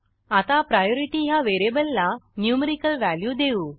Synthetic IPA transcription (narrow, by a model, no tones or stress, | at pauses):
at̪apɾajoɾiʈiːɦjaʋeɾebəlːanjuməɾikəlʋæljud̪euː